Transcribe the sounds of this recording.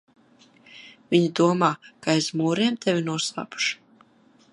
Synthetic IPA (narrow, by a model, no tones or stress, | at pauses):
vʲiɲid̪uɔmaːkaezmuːɾeːmt̪ʰevʲinuɔsˠa̰ːpu̥ʃu̥